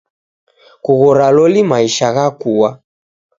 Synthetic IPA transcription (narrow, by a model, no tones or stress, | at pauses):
kuɣɔɾalɔlimaiʃaɣakuwa